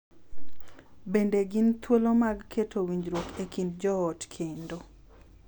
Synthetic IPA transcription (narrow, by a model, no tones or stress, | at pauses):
bendeɡɪnt̪wolomaɡkʰetʰowiɲd͡ʒɾwokekindd͡ʒɔɔtkʰendo